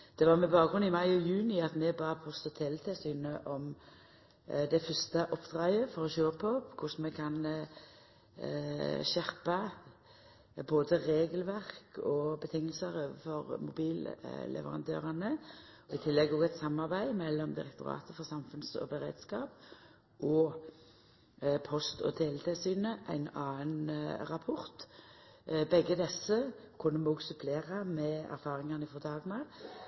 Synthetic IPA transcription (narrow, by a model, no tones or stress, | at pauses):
d̪̥ɛʋɑːʁmɛbɑːk̚ɡʁʉnɪmɑɪɔjʉːnɪɑt̪mɛbɑːpʰɔst̪ət̪ʰɛlt̪ʰɛsyːnəʔɔm | d̪ɛfœst̪əʔɔpːd̪̥ʁɑəfɔɾɔʃøːpʰɔkʰʊsmɛkʰɑn | ʃɛʁpɑ | boːd̪əʁeːɡəlʋæʁkɔbət̪ʰɪŋːəlsəʁfɔʁmʊbiːllʔɛ̰ʋə̰ʁɑ̰nd̪ø̰ːʁɑnəɔɪt̪ʰɪlːɛɡoːɡæɪt̪sɑmːɑʁbæɪmɛlːɔmd̪ɪʁɛkt̪ʊɾɑ̰ːt̪əfɔʁsɑmfʉnsɔ̰bəʁḛːd̪skɑːp | ʔɔ | pʰɔst̪ɔ̰t̪ʰeːlət̪ʰesyːnəʔæ̰ɪnɑːənʁɑpʰɔʁt̪ | bɛɡːəd̪ɛsːə | kʰʊnːəmɔɡsʉpʰleːʁɑmɛæ̰ɾfɑːʁɪŋɑnɪfɔʁd̪ɑːɡnɑ